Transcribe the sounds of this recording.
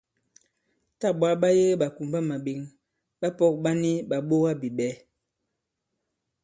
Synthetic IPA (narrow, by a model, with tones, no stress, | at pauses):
ta˦˨ɓwa˦lɓa˦je˦ɓa˨ku˨mba˦ma˨bi˨˦ŋ | ɓa˦pɔ˦˨k̚ɓa˦ni˦ɓa˨ɓo˦ɣa˦bi˨ɓɛ˨˦